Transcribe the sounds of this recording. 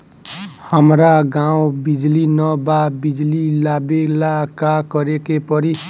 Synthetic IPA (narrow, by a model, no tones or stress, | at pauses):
hʌmɾaɡaw̃bid͡ʒlinʌbabid͡ʒlilabelakakʌɾekepʌɾi